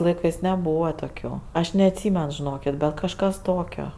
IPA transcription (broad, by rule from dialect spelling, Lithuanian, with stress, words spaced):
lˠɐɪˈkɜs nʲɛˈbuːʋɐ toːˈkʲuː ɐʃ nʲɛɐtʲˈsʲiːmʲɛn ʒʲɪˈnoːkʲɪtʲ ˈbʲɛt kɐʃˈkɐs ˈtoːkʲoː